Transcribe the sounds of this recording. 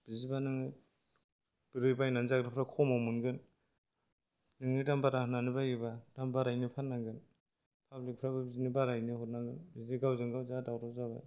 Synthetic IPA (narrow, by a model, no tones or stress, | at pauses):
b̥izibanɯŋɯ | b̥iɾɯbajnanzaɡɾapʰɾakʰɔmamunɡɯn | nɯŋnɯdambaɾahɯnanɯbajibadambaɾajnipʰanaɡɯn | pʰablik̚pʰɾababizinibaɾajnihɔt̚naɡɯnbizniɡawzɯŋɡawzadawɾɔzaβa̰j